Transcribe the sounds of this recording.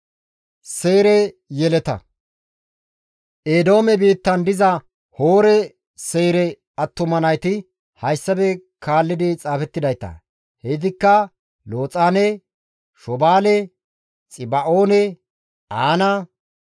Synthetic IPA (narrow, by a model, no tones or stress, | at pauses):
seːɾɛjɛlɛt̪ɐ̰ | ʔeːd̪o̞ːmɛbiːt̪ːɐnd̪ɪzɐ | hoːɾɛ | se̞ːɾɛ | ɐt̪ːʊmɐnɐjt̪ɪ | hɐjsːɐbɛkʰaːlːɪd̪ɪt͡sʼaːfɛt̪ːɪd̪ɐjt̪ɐ̰ | hɛjd̪ɪkːɐ | loːt͡sʼaːnɛ | ʃɔbaːlɛ | t͡sʼɪbɐʔoːnɛ | aːnɐ